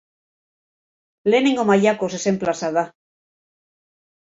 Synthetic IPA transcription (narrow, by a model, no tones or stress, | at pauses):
lenĩŋɡomaʎakosesemplasaða